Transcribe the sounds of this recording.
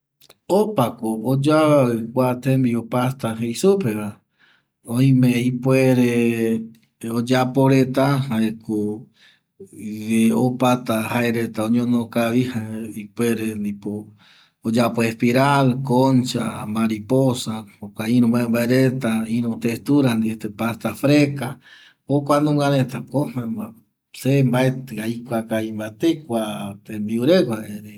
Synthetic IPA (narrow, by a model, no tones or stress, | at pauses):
opakood͡ʒaakʷat̪ẽmbiopast̪aɦejsupeβa | õĩmẽipweɾe | od͡ʒapoɾet̪ahaeko | eopat̪ahaeɾet̪aõɲõnokaβihaeipʷeɾend̪ipo | od͡ʒapoespiɾalkont͡ʃa̰maɾiposaokʷaiɾũmbaembaeɾet̪aiɾũt̪est̪uɾand̪iet̪epast̪afɾeka | okʷanũɡaɾẽt̪akomema | sembaet̪aikʷakaimbat̪ekʷat̪embiuɾekʷaeɾe